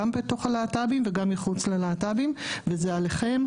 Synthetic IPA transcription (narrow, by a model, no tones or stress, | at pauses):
ambeto̞χalaːtabimveɡamːiχut͡slelaːtabimvezealeχe̞m